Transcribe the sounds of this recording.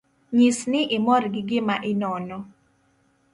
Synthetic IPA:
ɲisnɪʔɪmɔɾɡɪɡɪmaʔɪnɔnɔ

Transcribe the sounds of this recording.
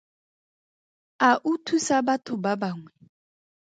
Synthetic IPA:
aʔutʰusabatʊbabaŋwɛ

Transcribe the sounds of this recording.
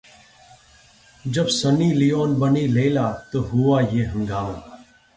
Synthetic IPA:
d͡ʒəbsəniːlijoːnbəniːleːlaːt̪oːɦʊaːjeːɦə̃ŋɡaːmaː

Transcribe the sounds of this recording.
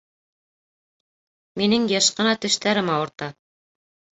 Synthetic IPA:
minɘŋjɤʃqɤ̆nɑt̪ɵ̆ʃt̪æɾɘmɑɤ̆ɾt̪ɑ

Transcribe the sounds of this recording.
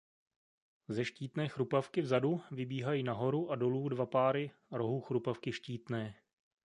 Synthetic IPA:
zɛʃciːt̪nɛːxɾupafkɪvzaduvɪbiːɦajiːnaɦo̞ɾuʔado̞luːdvapaːɾɪ | ɾo̞ɦuxɾupafkɪʃciːt̪nɛː

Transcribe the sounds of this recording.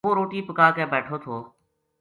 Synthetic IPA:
oːɾoːʈiːpəkaːkeːbɛːʈʰoːt̪ʰoː

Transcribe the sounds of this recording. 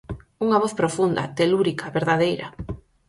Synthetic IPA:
uŋaβ̞oθpɾofund̪ɐ̰t̪eluɾikʰaβeɾðaðejɾɐ̰

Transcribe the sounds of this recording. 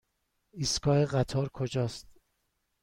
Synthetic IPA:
iskɒːeɣæt̪ʰɒːɾkʰod͡ʒɒːst̪̚

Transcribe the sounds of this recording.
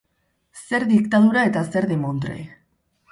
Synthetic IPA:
se̞ɾðik̚t̪aðuɾae̞t̪ase̞ɾðemont̪ɾḛj

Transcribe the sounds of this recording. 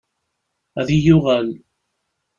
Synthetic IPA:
æðijʊʁal

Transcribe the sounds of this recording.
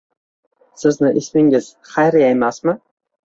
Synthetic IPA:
sɪznɪʔɪsmɪŋɪz̥ | χajɾɪjajmasmɪ

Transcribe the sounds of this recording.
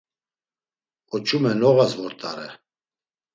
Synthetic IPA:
ɔt͡ʃʰumɛnɔɣasvɔɾt̪ʼa̰ɾɛ̰

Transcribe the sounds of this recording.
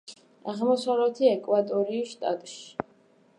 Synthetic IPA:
aʁmɔsavlɛt̪ʰiɛkʼwat̪ʼɔɾiːʃt̪ʼat̪ʼʃi̥

